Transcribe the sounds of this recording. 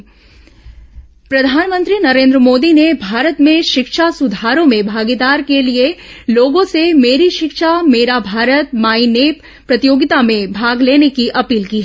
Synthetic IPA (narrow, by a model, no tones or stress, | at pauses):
pɾɐd̪ʱaːnmə̃nt̪ɾinɐɾẽːnd̪ɾəmoːd̪inebʱaːɾət̪mẽʃɪkʃasʊd̪ʱaːɾõmẽbʱaːɡid̪aːɾkelieloːɡõsemeːɾiʃɪkʃameːɾabʱaːɾət̪̚maːineːp | pɾɐt̪ijoːɡɪt̪amẽbʱaːɡleːnekiʔɐpiːlkiːɦɛ